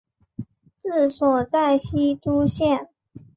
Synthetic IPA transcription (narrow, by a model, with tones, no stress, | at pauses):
t͡sɹ̩˥˩swɔ˨˩t͡sa˥˩ɪɕi˥t̪u˥ɕjɛ˥˨n